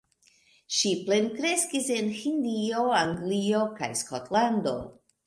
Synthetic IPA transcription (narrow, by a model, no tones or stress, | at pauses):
ʃiple̞nkɾe̞skise̞nhindio̞aŋɡlio̞ka̰jskotlando̞̰